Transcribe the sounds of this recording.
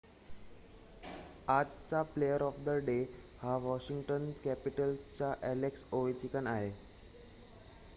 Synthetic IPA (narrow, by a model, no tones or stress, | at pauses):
ad͡zt͡saplejəɾɔfd̪əɖe | haʋɔɕiŋɡʈənkæpiʈəlt͡ɕaʔæleksoʋet͡ɕikənaɦe